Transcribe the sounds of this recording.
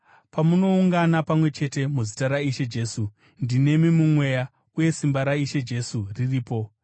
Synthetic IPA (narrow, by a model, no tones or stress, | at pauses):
pamuno̞uŋɡanapamwe̞t͡ʃe̞te̞muzitaɾaiʃe̞d͡ʒe̞su | ndine̞mimumwe̞ja | uje̞simbaɾaiʃe̞d͡ʒe̞suririːpo̞